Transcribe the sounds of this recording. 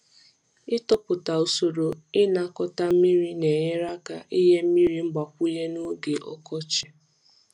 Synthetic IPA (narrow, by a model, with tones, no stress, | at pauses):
ɪ˦tɔ˦pʊ˨ta˨o˨so˨ɾo˨ɪ˦na˦kɔ˦ta˦m̩˦mi˦ɾi˦ne˨ɲe˦ɾa˦ka˨ʔi˦ɦe˦m̩˦mi˦ɾi˦ŋ͡m̩˦ɡ͡ba˨kʷu˦je˦nu˦ɡe˨ʔɔ̰˦kɔ˦t͡ʃɪ˦